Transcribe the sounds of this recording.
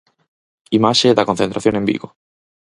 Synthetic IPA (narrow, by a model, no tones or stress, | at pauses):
imaʃeðɐkonθent̪ɾaθjõŋẽmbḭɣo